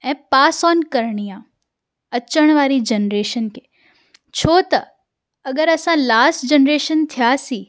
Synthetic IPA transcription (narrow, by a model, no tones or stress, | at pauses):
ɛ̃ːpaːsɔːnkəɾɳijã | ət͡ʃəɽ̃ʋaːɾid͡ʒənɾeːʃənkeː | t͡ʃʰoːt̪ɐ | əɡəɾəsãlaːsʈd͡ʒənɾeːʃənt̪ʰijasiː